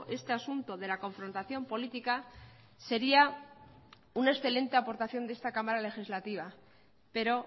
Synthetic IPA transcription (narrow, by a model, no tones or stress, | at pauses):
ʔe̞st̪e̞asunt̪o̞ðe̞lako̞ɱfɾo̞nt̪aθjo̞mpo̞lit̪ika | se̞ɾia | unae̞sθe̞le̞nt̪e̞apo̞ɾt̪aθjo̞nd̪est̪akamaɾale̞xizlat̪iβ̞a | pe̞ɾo̞